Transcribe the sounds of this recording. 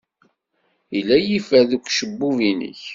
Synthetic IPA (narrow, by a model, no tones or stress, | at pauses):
ilːæjifæðukʷʃəbːuvinə̰ç